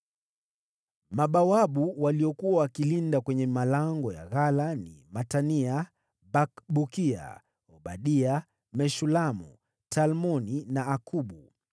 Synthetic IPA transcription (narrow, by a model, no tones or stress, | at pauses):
maɓawaɓuwaliɔkuwawakilindakwɛɲɛmalaŋɡɔja̰ɣalanḭmatania | bakɓukia̰ | ɔɓaɗia | mɛʃulamṵ | talmɔninaːkʰuɓu